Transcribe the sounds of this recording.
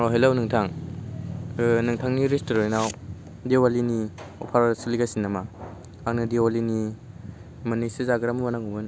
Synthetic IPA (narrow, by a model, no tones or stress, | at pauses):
ɔɦelawnɯŋtʰaŋ | nɯŋtʰaŋniɾistoɾɔjnaw | dewaliniɔ̰pʰaɾsiliɡasinːama | aknɯdewalini | mɐnisizaɡɯɾamumanaŋumɯn